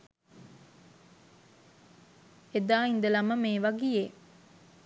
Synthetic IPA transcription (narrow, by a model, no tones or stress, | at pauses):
ed̪aːind̪əlɐməmeːʋaɡije